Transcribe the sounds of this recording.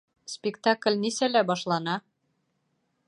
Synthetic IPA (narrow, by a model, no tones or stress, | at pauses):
spʲikt̪ɑk̆lʲnisælæbɑʃlɑnɑ